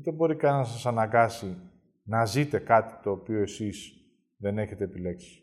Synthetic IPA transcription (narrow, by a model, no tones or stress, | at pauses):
ut̪ebo̞ɾikɐnnɐs̬ɐsɐnɐɡɐsi | nɐzit̪e̞kɐt̪i̥t̪o̞ːpio̞e̞siz | ðe̞ne̞çe̞t̪e̞ːpile̞ksi̥